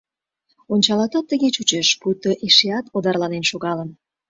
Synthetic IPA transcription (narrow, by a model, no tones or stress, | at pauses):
onʲt͡ɕɑlɑt̪ɑt̪ːəɣet͡ɕut͡ɕeʃput̪oʔiʃeɑt̪od̪ɑrlɑnenʃoɣɑləm